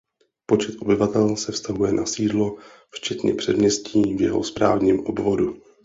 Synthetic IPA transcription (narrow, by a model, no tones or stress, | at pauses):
po̞t͡ʃɛt̪ʔo̞bɪvat̪ɛlsɛfst̪aɦujɛnʔasiːdlo̞ | ft͡ʃɛt̪ɲɛ̰pr̝̥ɛdmɲɛsciːvjɛɦo̰spɾa̰ːvɲiːmʔobvo̞du